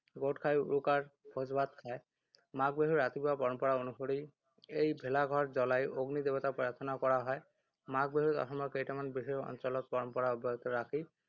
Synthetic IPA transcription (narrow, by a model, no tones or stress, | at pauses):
ɡoʈkʰajṵɹukaɹbʰʱozbad̪̚kʰaj | mak̚beɦuɹat̪ibuapɔɹɔmpɔɹaonuxoɾi | ejbʱelaɡʱɔɹd͡ʒɔlajʔoɡnid̪ebɔt̪apɔɹaɹt̪ʰɔnakɔɹaɦɔj | mak̚beɦut̪ɔ̰xɔmɔkejtamanbiɦeɔ̰nt͡ʃɔlɔt̪̚pɔɹɔmpɔɹaobʱɔɔt̪ɔɹakʰi